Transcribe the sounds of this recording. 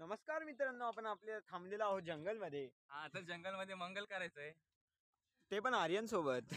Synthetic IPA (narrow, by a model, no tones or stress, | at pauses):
nəməskaɾmit̪ɾənːəapəɳapljat̪ʰãmlelaːɦod͡ʑəŋɡəlməd̪ʱːjeɦãət̪əɾd͡ʑəŋɡəlməd̪ʱːjeməŋɡəlkəɾajt͡səːe | t̪epəɳaɾjənsobət̪